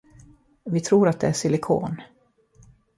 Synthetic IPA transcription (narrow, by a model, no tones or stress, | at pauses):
vɪt̪ʰɾuːɾat̪̚d̪ɛæʂɪlɪkʰo̰ːn